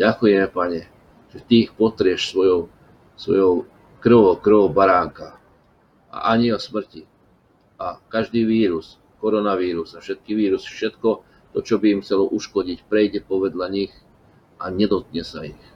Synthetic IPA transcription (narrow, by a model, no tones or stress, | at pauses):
ɟakujɛmɛpaɲɛ | ʒ̥ɛt̪iːxpɔt̪ɾɪɛʃsʋɔjɔʊ | sʋɔ̰jɔʊ | kr̩ʋɔʊkr̩ʋɔʊbaɾaːŋka | a̰ʔaɲiɔsmr̩ci | ʔakaʒd̪iːʋiːɾus | kɔɾɔnaʋiːɾusafʃɛt̪̚kiʋiːɾusfʃɛt̪kɔ | t̪ɔt͡ʃɔbiːmxt͡sɛlɔʔuʃkɔɟicpɾɛjɟɛpɔʋɛd̪lʎaɲix | ʔaɲɛd̪ɔt̪̚ɲɛsaix